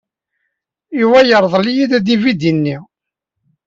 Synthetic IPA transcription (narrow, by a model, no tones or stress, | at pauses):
iwæjəɾˤðˤlijid̪æd̪ivid̪inːi